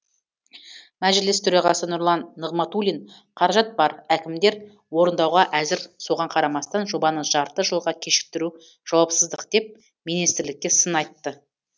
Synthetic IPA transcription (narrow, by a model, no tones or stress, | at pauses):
mæʒɪlɪst̪ʰɵɾɑʁɑsənʊɾlˠɑnːəʁmɑt̪ulʲin | qʰɑɾɑʒɑt̪̚bɑɾækʲɪmd̪e̞ɾ | wo̞ɾənd̪ɑwʁɑʔæzɪɾso̞ʁɑɴqʰɑɾɑmɑst̪ɑnʒo̞bɑnəʒɑɾt̪əʒəlˠʁɑkʲʰe̞ʃɪ̥k̚t̪ɪɾu | ʒ̥ɑwɑpsəzd̪əqd̪e̞p̚ | mijnist̪ɪɾlɪk̚ʲːe̞sənɑjt̪ːə